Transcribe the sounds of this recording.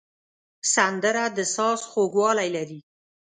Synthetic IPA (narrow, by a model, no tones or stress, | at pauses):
sand̪əɾad̪əsɑsxoɡwɑlajlaɾi